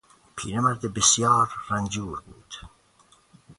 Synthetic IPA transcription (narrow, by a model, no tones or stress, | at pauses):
pʰiːɾemæɾd̪ebesjɑːɾːænd͡ʒuːɾbṵːd̪̥